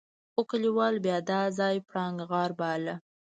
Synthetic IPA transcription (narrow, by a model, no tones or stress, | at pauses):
ʊkəliwɑlbjɑd̪ɑzɑjpɽɑŋɡɣɑɾbalə